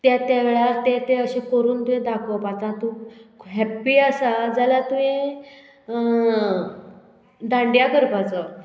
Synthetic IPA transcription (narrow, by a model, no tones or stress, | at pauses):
t̪jat̪jaʋeɭat̪et̪eəɕẽkəɾuːnt̪uɦẽd̪akʰəpat͡sãt̪ũɦɛpːiasad͡zalat̪ue | d̪ãɳɖjakəɾpat͡sə